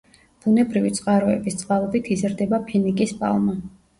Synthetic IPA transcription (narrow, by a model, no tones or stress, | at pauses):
b̥unɛbɾivit̪sʼqʼaɾɔɛ̰bist̪sʼqʼalˠɔbit̪ʰizɾd̪ɛbapʰinikʼispʼa̰lˠma